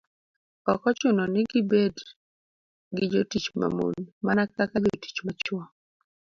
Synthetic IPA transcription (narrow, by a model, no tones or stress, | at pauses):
ɔkɔt͡ʃʊnɔnɪɡɪbed | ɡɪd͡ʒotit͡ʃma̰mo̰nmanakakad͡ʒoti̥t͡ʃmat͡ʃwɔ